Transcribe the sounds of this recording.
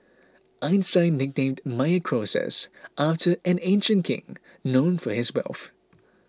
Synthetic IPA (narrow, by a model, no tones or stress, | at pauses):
ʔãɪ̃nsãɪ̃nɪɡ̚nẽːmdmaɪəkʰɹ̥oːsɛ̰sʔaftʰə˞ʔɨ̃nẽɪ̃nʃə̃ntkʰɪ̰̃ŋ | nõʊ̃nfə˞ɪzwɛ̰lˠθ